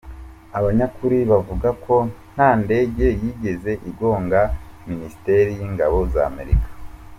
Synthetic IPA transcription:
aβaɲakuɾiβavuɡakʰo̞n̥haːnde̞ɡe̞jiːɡe̞ze̞ʔibɡo̞ːŋɡaminisi̥te̞ɾijiːŋɡa̰βo̞za̰ːme̞̰ɾḭkḁ

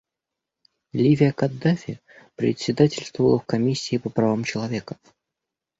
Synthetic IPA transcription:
lʲivʲɪəkɐd̪ːafʲɪ | pɾʲɪ̰t̪ʲsʲɪd̪atʲɪlʲst̪vəəlˠəfkɐmʲisʲːɪːpəpɾɐvamt͡ɕɪlˠɐvʲekə̥

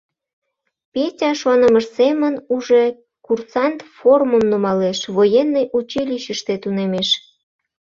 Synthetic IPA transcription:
pʲetʲɑʃuɑnəməʃsemənuʒe | kursɑnt̪foruməmnumɑleʃβojenːəjʔut͡ɕilʲiɕəʃt̪et̪unemeʃ

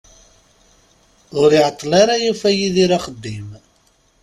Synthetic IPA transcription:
ʊɾiʕət̪ˤːlaɾajufæjiðiɾaχəd̪ːim

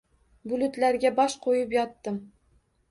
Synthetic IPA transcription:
bʊlʊt̪læɾɡʲabɒʃqʰojɪpjɒt̪ːɪm

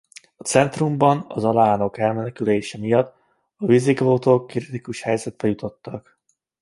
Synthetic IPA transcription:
ɒt̪sɛnt̪rumbɒnɒ̰zɒlaːno̞kɛlmɛnɛkyleːʃɛmijɒt̪ː | ɒvizikloːt̪oːkːrit̪ikuʃhɛjzɛt̪bɛjut̪o̞t̪ːɒk

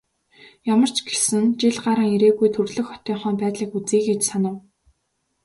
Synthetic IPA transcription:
jamə̆r̥t͡ɕɡesɘ̆nt͡ɕiɮɢaɾə̆ŋeɾeːɣujt̪ʰɵrɮɵ̆xχɔ̥t̪iːɴχœːmpæːt̪ɮiːkut͡siːkɡet͡ɕsanə̆w

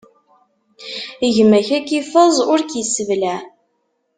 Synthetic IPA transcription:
əʝəmæçækifəzˤʊɾkjəsəvlæ

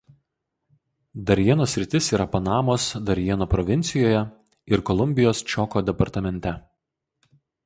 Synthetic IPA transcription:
d̪ɐɾʲjiɛnoːsʲɾʲɪt̪ʲɪsiːɾɐpɐnɑːmoːsd̪ɐɾʲjiɛnoːpɾɔʋʲɪnʲtsʲɪjoːjɛ | ɪɾkɔlˠʊmʲbʲɪjoːst͡ʃʲɔkoːd̪ʲɛpɐɾt̪ɐmʲɛnʲt̪ʲɛ

